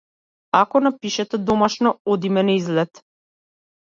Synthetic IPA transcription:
akɔnapiʃɛt̪ɛd̪ɔmaʃnɔɔd̪imɛnɛizlɛt̪

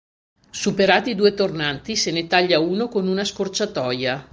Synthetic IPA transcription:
supeɾaːt̪id̪uːet̪ornant̪isenet̪aʎːauːnokonunaskort͡ʃat̪ɔja

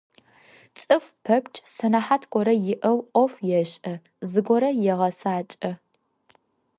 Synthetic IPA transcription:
t͡sʼɨfpʰɐpt͡ʃʼsɐnaħaːtʰkʷʼɔɾɐjɪʔɐwʔʷʼɔfjɛɕʼɐ | zɨɡʷɔɾɐjɛʁɐsaːt͡ʃʼɐ

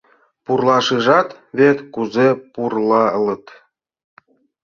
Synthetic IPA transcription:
purlɑʃɨʒɑt̪ | βet̪kuzepurlɑə̆lə̆t̪

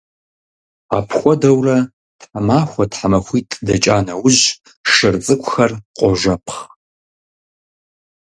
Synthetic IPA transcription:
a̰ːpʰxʷɔdɐwrɐ | tħamaːxʷɔtħamɐxʷiːtʼdɐt͡ʃʼaːnɐwʊʑ | ʂɨrt͡sʼɨkʷʰʼʊxɐrqʷʼɔʒʷɐpʰχ

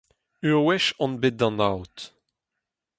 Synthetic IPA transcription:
ywɛʃɔ̃nbet̚dɑ̃nawt

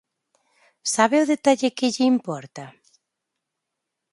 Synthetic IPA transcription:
saβeʊðet̪aʎɪkɪʎɪimpɔɾt̪ɐ

